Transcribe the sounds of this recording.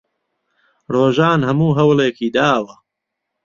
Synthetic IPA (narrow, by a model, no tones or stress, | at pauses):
roːʒaːnɦɐmuːɦɐwleːkiːd̪aːwɐ